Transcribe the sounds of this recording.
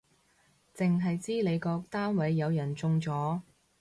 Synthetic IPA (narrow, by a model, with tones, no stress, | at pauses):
t͡sɪ˨ŋɦɐ˨jt͡siː˥le˨˧jkɔː˧k̚t̪aː˥nwɐ˨˧jːɐ˨˧wjɐ˨˩nt͡sʊ˧ŋt͡sɔː˨˥